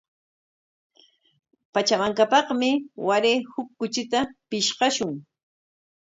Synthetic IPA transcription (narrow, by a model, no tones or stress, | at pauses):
pat͡ʃamaŋkapɑχmɪwaɾeːhʊkːʊt͡ʃɪt̪apɪʃqɑʃʊŋ